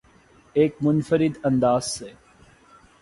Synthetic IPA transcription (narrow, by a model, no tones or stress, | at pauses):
eːkmʊnfəɾɪd̪ɐ̃nd̪aːz̥se